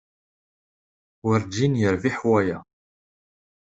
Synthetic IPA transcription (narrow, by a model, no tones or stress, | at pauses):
wəɾd͡ʒinjəɾviħwæjæ